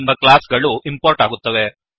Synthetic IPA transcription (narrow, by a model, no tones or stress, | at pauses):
mbɐkɭaːsɡɐɭuʔimpoːɾʈaːɡut̪ːɐʋe